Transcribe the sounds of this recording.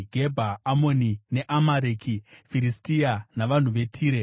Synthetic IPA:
ɡʱe̞bʱaːmo̞nine̞ʔamaɾeːkʰifiɾistianaʋan̤uʋe̞tʰiːɾe̞

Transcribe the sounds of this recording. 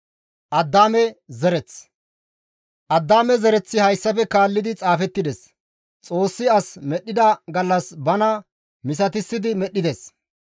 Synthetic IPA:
ʔɐd̪ːaːmɛzɛɾɛt͡s | ʔɐd̪ːaːmɛzɛɾɛt͡sːɪhɐjsːɐfɛkaːlːɪd̪ɪt͡sʼaːfɛt̪ːɪd̪ɛs | t͡sʼo̞ːsːɪɐsmɛɗːɪd̪ɐɡɐlːɐsbɐnɐ | mɪs̬ɐt̪ɪsːɪd̪ɪmɛɗːɪd̪es

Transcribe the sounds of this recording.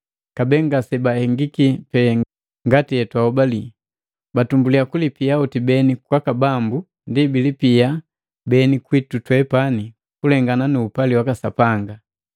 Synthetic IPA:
kabɛŋɡasɛbahɛŋɡikipɛ | ŋɡatijɛtwaɔbali | batumbuliakulipijaɔtibɛnikwakabambu | ndibilipia | bɛnikwitutwɛpani | kulɛŋɡananuːpaliwakasapaŋɡa

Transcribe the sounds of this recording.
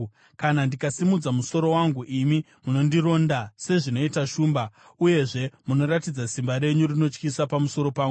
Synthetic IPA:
kanandikasimud͡zamuso̞ɾo̞waŋɡuʔimi | muno̞ndiɾo̞ndase̞ʐino̞itaʃuːmba | uje̞ʐe̞muno̞ɾatid͡zasimbaɾe̞ɲurino̞t͡ʃkisapamuso̞ɾo̞paːŋɡu

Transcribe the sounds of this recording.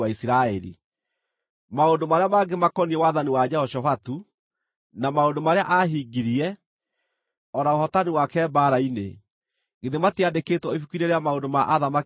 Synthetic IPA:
aisiɾaɛɾḭ | maondomaɾeamaɡemakɔniɛwaðaniwad͡ʒɛhɔʃɔfatu | namaondomaɾeaʔaɦiɡiɾiɛ | ɔɾaohɔtaniwakɛːbaɾaine | ɡeðematiandeketwɔifukiɾeɾeamaondomaʔaðama

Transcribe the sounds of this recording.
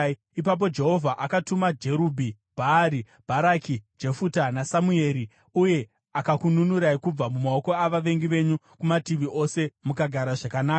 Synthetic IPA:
ipap̬o̞d͡ʒe̞ɦo̞vʱaʔakatumad͡ʒe̞ɾubʱi | b̥ʱaːɾi | b̥ʱaɾakid͡ʒe̞futanasamue̞ɾi | uje̞ | akakununuɾaikub͡vamumao̞ko̞aʋaʋe̞ŋɡiʋe̞ɲu | kumatiʋiʔo̞se̞mukaɡʱaɾaʐakanaːka

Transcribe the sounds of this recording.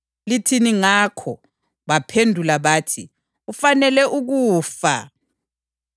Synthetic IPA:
litʰiniŋakʰɔ | βapʰendʱulaβaːtʰi | ufanɛlɛʔuɣuːfa̰

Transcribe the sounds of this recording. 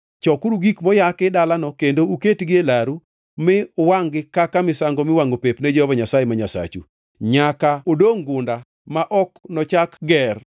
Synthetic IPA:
t͡ʃɔkuɾuɡikmɔjakɪdalanɔkendouketɡɪelaɾu | mɪwaŋɡɪkakamɪsaŋɡɔmɪwaŋɡopepnɛd͡ʒɔhɔvaɲasajemaɲasa̰t͡ʃṵ | ɲakaodoŋɡʊnda | maʔɔknɔt͡ʃakɡɛr

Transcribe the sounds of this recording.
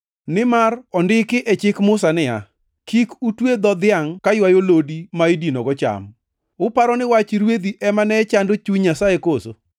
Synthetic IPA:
nɪmarɔndɪkɪʔɛt͡ʃɪkmʊsanɪa | kikutwed̪ɔd̪ɪaŋkajwajolodimaidinɔɡɔt͡ʃa̰m | ʊpaɾɔnɪwat͡ʃiɾwed̪iʔɛmanɛt͡ʃandot͡ʃuɲasaekoso̰

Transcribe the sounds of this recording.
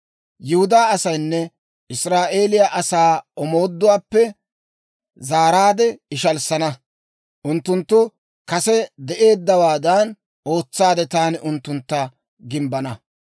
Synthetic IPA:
jɪhʊd̪aːɐsɐjnːɛ | ɪsɾaːʔe̞ːlɪjaʔɐsaːɔmo̞ːd̪ːʊwaːpːɛ | zaːɾaːd̪ɛɪʃɐlsɐnɐ | ʔʊnt̪ːʊnt̪ːʊ | kɐsɛd̪ɛʔe̞ːd̪ːɐwaːd̪ɐn | o̞ːt͡sːaːd̪ɛt̪aːnɪʔʊnt̪ːʊnt̪ːɐ | ɡɪmbɐnɐ

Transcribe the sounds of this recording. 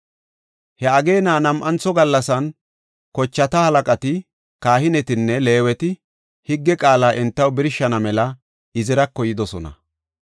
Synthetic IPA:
hɛɐɡe̞ːnaːnɐmʔɐnt͡sːɔɡɐlːɐsɐn | kɔt͡ʃːɐt̪ɐhɐlɐkʼɐt̪ɪ | kaːhɪnɛt̪ɪnːɛle̞ːwɛt̪ɪ | hɪɡːɛkʼaːlaːʔɛnt̪ːɐwbɪɾɪʃːɐnɐmɛlɐ | ɪzɪɾɐkːɔjɪd̪ɔsɔnɐ̰

